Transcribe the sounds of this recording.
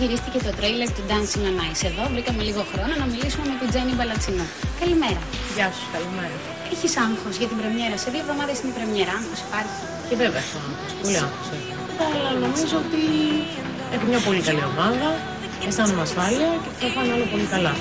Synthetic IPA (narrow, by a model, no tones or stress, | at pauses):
ʝiɾist̪icet̪o̞t̪ɾejleɾt̪ud̪ɐnsiŋɐnɐiseðo̞vɾikɐmeliɣo̞xɾo̞nonɐmilisume̞met̪id͡ze̞nibɐlɐt͡sinu | kɐlimeɾɐ | ʝɐsu̥skɐlimeɾɐ | eçisɐŋxo̞sʝɐt̪ibɾe̞mɲe̞ɾɐse̞ðio̞vðo̞mɐðesinepɾemɲeɾɐɐŋxo̞si̥pɐɾçi̥ | ceveveɐsont̪ɐspo̞liɐ̰ŋfose | ɐlɐno̞mizoot̪i | ekimɲɐpo̞likɐliɐmɐnðɐ | est̪ɐnomɐsfɐliɐceθɐfɐneɐlɐpo̞likɐlɐ